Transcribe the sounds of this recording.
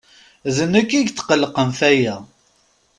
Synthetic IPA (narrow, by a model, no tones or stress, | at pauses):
ðənækːiʝt̪ːqəlːqəmθæjæ